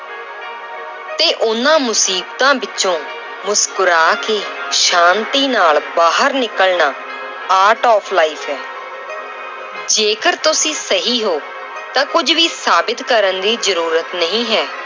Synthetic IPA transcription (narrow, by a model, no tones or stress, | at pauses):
t̪eːʔʊnãːmʊsiːbt̪ãːbɪt͡ʃõː | mʊskʊɾaːkeːʃãːnt̪iːnaːlbaːɦəɾnɪkəlnaː | aːɾʈɔːpʰlaːiːpʰɦɛː | d͡ʒeːkəɾt̪ʊsĩːsəɦiːɦoː | t̪ãːkʊd͡ʒʋiːsaːbɪt̪kəɾənd̪iːzəɾuːɾət̪nəɦĩːɦɛː